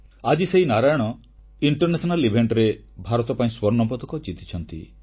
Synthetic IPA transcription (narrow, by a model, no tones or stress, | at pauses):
ad͡ʒiseɦinaɾajɔɽ̃ɔ | iɳʈɔɾnesɔnalibʱeɳʈɾebʱaɾɔt̪ɔpaĩswɔɾnɔmpɔd̪ɔkɔd͡ʒit̪i̥t͡ʃʰɔnt̪ḭ